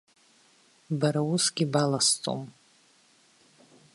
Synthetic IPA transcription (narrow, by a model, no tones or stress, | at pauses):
baɾawʊsɡʲibalast͡sʼo̰m